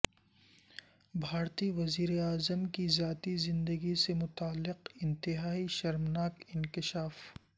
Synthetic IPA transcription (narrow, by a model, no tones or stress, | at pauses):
bʱaːɾt̪iʋɐziːɾeaːzəmkizjaːt̪izɪ̃nd̪əɡisemʊt̪aːlːɪqɪ̃nt̪ɪɦaːiʃɐɾmnaːkɪnkɪʃaːf